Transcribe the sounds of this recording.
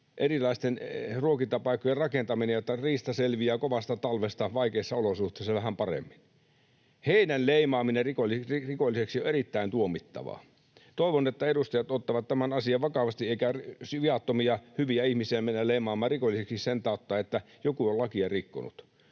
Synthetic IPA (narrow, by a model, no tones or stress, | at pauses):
ʔerilɑist̪enruokint̪ːɑpɑˑikːˑojerɑkent̪ɑminejot̪ːɑriːst̪ɑselʋiæːkoʋɑst̪ɑt̪ɑlʋest̪ɑʋɑikeːsːɑolosuht̪ˑeːsːɑʋæhæmpɑrḛmːin | heinænleimɑːminerikolirikolːiseksioeɾit̪ːæint̪uomit̪ːɑ̰ʋɑ̰ | t̪oˑiʋonet̪ːæedust̪ɑjɑt̪ot̪ːɑʋɑt̪t̪ːæmænɑsiɑʋɑkɑʋɑst̪ieˑikæsʋiɑt̪ːomiɑhyʋiæihmisiæmenːæleimɑːmːˑɑːrikolːˑiseksissent̪ɑˑot̪ːɑːet̪ːæ | jokuollɑkiɑrikːo̰nṵt̪